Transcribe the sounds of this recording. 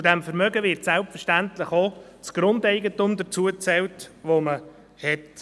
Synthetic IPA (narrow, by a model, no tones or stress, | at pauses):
t͡sudæmfəɾmœɡəʋɪɾtsɛlpfəɾʃtæntləχot͡sɡ̥ɾʊndɛɪɡətʊmd̪ət͡suət͡sɛltʋomə | hɛt